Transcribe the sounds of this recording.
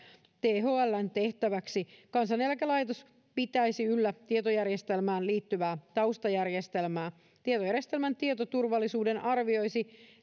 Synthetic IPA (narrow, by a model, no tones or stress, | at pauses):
t̪eːɦoːælːænt̪e̞ht̪æʋæksikɑnsɑnelkælɑjt̪os | pit̪æjsiylːæt̪iet̪ojærjest̪elmæːnliːt̪ːyʋæːt̪ɑust̪ɑjærjest̪elmæː | t̪iet̪ojærjest̪e̞lmænt̪iet̪ot̪urʋɑlːisuːdenʔɑrʋio̞jsi